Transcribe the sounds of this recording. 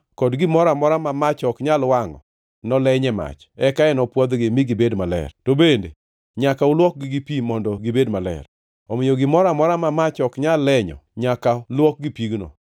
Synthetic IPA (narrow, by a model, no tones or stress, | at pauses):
kɔdɡɪmɔɾamɔɾamamat͡ʃɔkɲalwaŋɔ̰ | nɔlɛɲɛma̰t͡ʃ | ɛkaɛnɔpwɔd̪ɡɪmiɡɪbedmalɛ̰rtobende | ɲakaʊlwɔk̚ɡɪɡipimɔndɔɡɪbedmalɛ̰r | ɔmɪjoɡɪmɔɾamɔɾamamat͡ʃɔkɲalːɛɲɔ̰ɲakalwɔk̚ɡipiɡnɔ̰